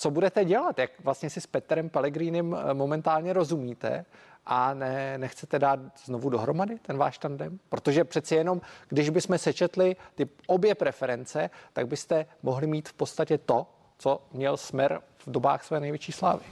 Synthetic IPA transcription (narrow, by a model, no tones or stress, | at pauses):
t͡so̞budɛt̪ɛɟɛlat̪jakvlast̪ɲɛsɪspɛt̪ɾɛmpɛlɛɡɾiːnɛmːo̞mɛnt̪aːlɲɛɾo̞zumiːt̪ɛ̰ | ʔanɛnɛxt͡sɛt̪ɛdaːt̪znovudo̞ɦɾo̞madɪt̪ɛnva̰ːʃt̪andɛmpɾot̪o̞ʒɛpr̝̥ɛt̪t͡sɛjɛno̞mɡ̥dɪʒbɪsmɛsɛt͡ʃɛt̪lɪt̪ɪʔo̞bjɛpɾɛfɛɾɛnt͡sɛt̪a̰ɡ̚bɪst̪ɛmoɦlɪmiːt̪fpot̪st̪acɛt̪o̞ | t͡so̞mɲɛlsmɛɾ | vdo̞ba̰ːxsvɛːnɛjvjɛt͡ʃiːsla̰ːvɪ